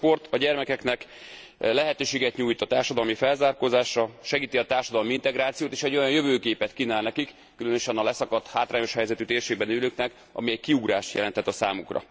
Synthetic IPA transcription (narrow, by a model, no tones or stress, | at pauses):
po̞rt̪ɒɟɛrmɛkɛknɛk | lɛɦɛt̪øːʃeːɡɛt̪ɲuːjt̪ɒt̪aːrʃɒd̪ɒlmifɛlzaːrkozaːʃɒʃɛɡiːt̪iɒt̪aːrʃɒd̪ɒlmiint̪ɛɡɾaːt̪sijoːt̪eːʃɛɟːo̞jɒnjø̞vøːkeːpɛt̪kinaːlnɛkikːylønøʃɛnɒlɛsɒkɒt̪haːt̪raːɲo̞ʃhɛjzɛt̪yt̪eːrʃeːɡ̚bɛnyːløːknɛk | ɒ̰miɛɟkiuɡɾaːʃt̪jɛlɛnt̪ɛt̪ːɒsaːmukrɒ̰